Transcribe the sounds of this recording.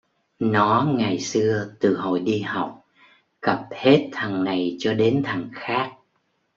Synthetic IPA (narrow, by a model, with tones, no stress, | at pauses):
nɔ˨˦ŋa˨˩jsɨ˧ət̪ɨ˨˩ɦo̰˧˨jɗi˧ha˨˩wk͡p̚ | kə˨˩p̚he˦˥t̚t̪ʰə˨˩ŋːa˨˩jt͡ɕɔ˧ɗe˨˦nt̪ʰə˨˩ŋxaː˦˥k̚